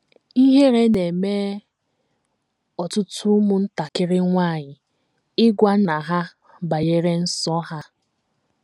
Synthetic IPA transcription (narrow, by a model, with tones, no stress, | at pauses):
i˦ɦe˦ɾe˦ne˨meː˦ | ɔ˨tʊ˦tʰʊ˦mʊ˨n̩˦ta˨kɪ˦ɾɪ˦ŋʷa˦˨ɲɪ˨ | ɪ˦ɡʷa˦na˨ɦa˦ | ba˨je˦ɾe˦n̩˦sɔ˦ɦa˦